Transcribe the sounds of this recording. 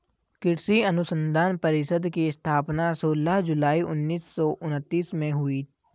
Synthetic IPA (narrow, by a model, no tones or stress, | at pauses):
kɪɾsiɐnʊsə̃nd̪ʱaːnpəɾɪʃəd̪kiɪst̪ʰaːpnasoːləɦd͡ʒʊlaːiʊ̰nːiːsːɔʔʊnət̪ːiːsmẽɦʊi